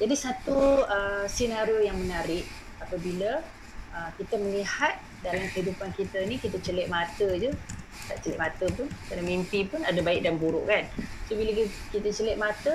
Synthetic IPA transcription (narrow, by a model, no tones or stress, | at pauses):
d͡ʒadisat̪uəsinaɾiojaŋmənaɾɪʔ̚ | apəbilə | əkit̪əməlihat̪̚ | dalamkəɦidupankit̪ənikit̪ət͡ʃəlɛʔ̪̚mat̪əd͡ʒu | ka̰ʔt͡ʃəlɛ̰ʔ̚mat̪əpʊnkanəmimpipʊnadabaɪk̚danbuɾʊʔkansobilək | kit̪ət͡ʃəlɛʔ̪̚mat̪ə